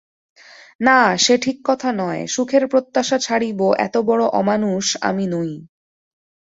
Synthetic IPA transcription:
naʃeʈʰikːɔt̪ʰanɔeʃukʰeɾpɾot̪ːaʃat͡ɕʰaɽiboʔɛ̰t̪obɔɽoʔɔ̰manuʃa̰minoj

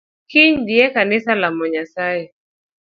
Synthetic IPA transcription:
kiɲdiɛkanɪsalamɔɲasaɛ

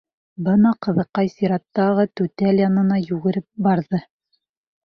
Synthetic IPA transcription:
bɤnɑqɤ̆ðɤ̆qːɑjsiɾɑt̪ːɑʁɤt̪ʉt̪æljɑnɤ̆nɑjʉɡɘ̆ɾɘp̚bɑɾðɤ

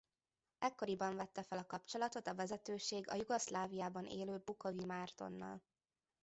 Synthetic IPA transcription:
ɛkːo̞ɾibɒɱvɛt̪ːɛfɛlɒkɒpt͡ʃo̞lɒt̪o̞t̪ɒvɛzɛt̪øːʃeːɡɒ̰juɡoslaːvijaːbɒnḛːløːbukovimaːrt̪o̞̰nːɒ̰l

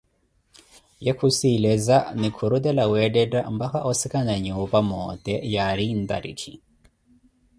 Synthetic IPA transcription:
jɛkʰusilɛzanikʰuɾud̪ɛlawɛdɛtambakaʔɔsikanaɲɛɔpamɔt̪ɛjaɾind̪a̰ɾḭkʰḭ

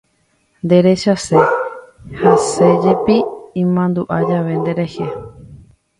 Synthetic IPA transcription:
nd̪e̞ɾe̞ʃase̞ | hase̞d͡ʒepiĩmãnd̪uʔad͡ʒaʋe̞nd̪e̞ɾehe

